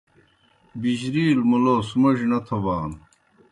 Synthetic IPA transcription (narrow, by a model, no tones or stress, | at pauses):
biʑɾiːlmuloːsumɐʑnɐt̪ʰɐwaːn